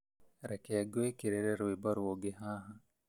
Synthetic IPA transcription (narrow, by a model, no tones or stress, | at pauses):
ɾekeɐɡuekiɾeɾeɾuibɐɾuoɡeɦaːɦɐ